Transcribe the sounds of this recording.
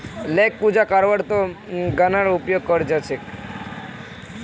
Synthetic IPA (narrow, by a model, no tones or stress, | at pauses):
lek̚pud͡ʒakaɾʋaɽt̪o | ɡanaɽupjoɡ̚kɔɾd͡ʒat͡ʃʰe